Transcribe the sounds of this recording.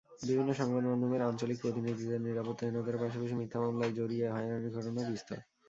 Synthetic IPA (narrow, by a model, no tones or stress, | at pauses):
bibʱinːoʃɔŋbad̪mand̪ʱomeɾant͡ɕalik̚pɾot̪inid̪ʱid̪eɾniɾapot̪ːaenod̪aɾpaʃ̬apaʃ̬imit̪ʰːamamlaed͡ʑoɾieɦɔenaniɡʱɔʈonabist̪ʰa̰